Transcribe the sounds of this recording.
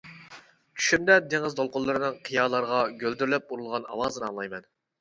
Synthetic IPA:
t͡ʃʰy̥ʃymd̪ɛd̪eŋɨzd̪olˠqʊlˠːɨɾɨnɨŋqʰijɑːlˠɑɾʁɑɡʲøld̪yɾlɛp̚uɾulˠʁɑnɑ̰wɑːzɨnɨɑ̰ŋlˠɑjmɛn

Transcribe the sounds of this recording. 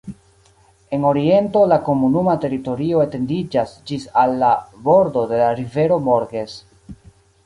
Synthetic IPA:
e̞no̞ɾie̞nto̞lako̞munumate̞ɾito̞ɾio̞ete̞ndid͡ʒasd͡ʒisalːabo̞ɾdo̞de̞laɾive̞ɾo̞mo̞ɾɡe̞s

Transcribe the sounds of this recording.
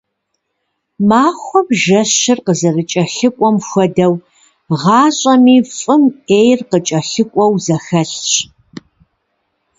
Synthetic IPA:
maːxʷɔbʒɐɕɪrqəzɐrɨt͡ʃʼɐɬɨkʷʼɔmxʷɔdɐw | ʁɑːɕʼɐmiːfʼɨmeːjrqət͡ʃʼɐɬɨkʷʼɔwzɐxɐɬɕ

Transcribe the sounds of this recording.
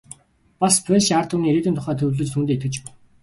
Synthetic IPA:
paspʰœʃart̪ʰuniːɾeːt̪ɘ̆nt̪ʰʊχæːt̪ʰɵwʲɮɘ̆t͡ɕt̪ʰuːnt̪eːt̪̚ɡɘ̆t͡ɕ

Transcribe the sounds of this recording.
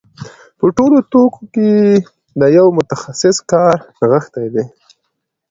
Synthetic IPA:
pəʈolot̪okoke | d̪əjawmʊt̪axasɪskɑɾ | ɣəxt̪ajd̪e

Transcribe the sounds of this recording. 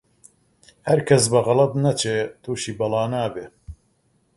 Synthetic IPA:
hɐɾkʰɐsbɐɣɑlɐt̪nɐt͡ʃʰeːt̪ʰuːʃiːbɐlɑːnaːbe

